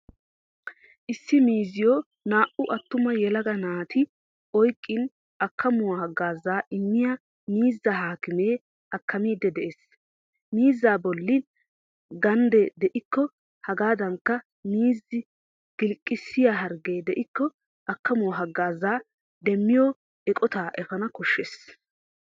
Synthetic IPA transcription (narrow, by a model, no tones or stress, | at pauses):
ʔɪsːɪmiːzɪjɔ | naːʔʊʔɐt̪ːʊmɐjɛlɐɡɐnaːt̪ʰɪ | ɔjkʼːɪn | ɐkːɐmʊwɐhɐɡːaːzaːʔɪmːɪja | miːzːɐhaːkɪmeː | ɐkːɐmiːd̪ːɛd̪ɛʔes | miːzːaːbɔlːɪ | ɡɐnd̪ɛd̪ɛʔɪkːɔ | hɐɡaːd̪ɐŋkːɐ | miːzːɪ | ɡ̥ɪlkʼːɪsːɪjaɦɐɾɡeːd̪ɛʔɪkːɔ | ʔɐkːɐmʊwɦɐɡːaːzːaː | d̪ɛmːɪjɔ | ɛkʼɔt̪aːʔɛfɐnɐkɔʃːeːs